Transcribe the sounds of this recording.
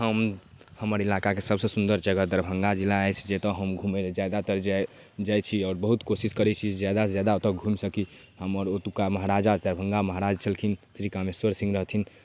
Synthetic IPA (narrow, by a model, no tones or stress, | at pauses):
ɦəm | həməɾilakakesəbsə̃sund̪əɾd͡ʒəɡəd̪əɾbʱəŋɡad͡ʒilːaəjt͡ʃʰd͡ʒet̪ɔɦəmɡʱumed͡ʒad̪at̪əɾd͡ʒa | d͡ʒajt͡ʃʰiɔːɾbəɦut̪kosiskəɾɛt͡ʃʰid͡ʒed͡ʒad̪ad͡ʒjad̪aot̪əɡʱumsəki | həməɾot̪upkaməɦɾad͡ʒad̪əɾbʱə̃ŋɡaməɦaɾad͡ʒt͡ʃʰəlkʰinsɾikameswəɾsĩŋɡɾəɦt̪ʰin